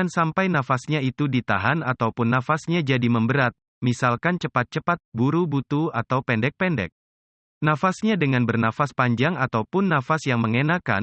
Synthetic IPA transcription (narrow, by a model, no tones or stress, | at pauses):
ansampajnafasɲait̪udit̪aɦanat̪awpʊnːafasɲad͡ʒadiməmbəɾat̪̚ | misalkant͡ʃəpat̪̚t͡ʃəpat̪̚buɾubut̪uat̪awpɛndɛk̚pɛndɛ̰k̚ | nafasɲadəŋanbərnafaspaɲd͡ʒaŋat̪awpʊnːafasjaŋməŋenaka̰n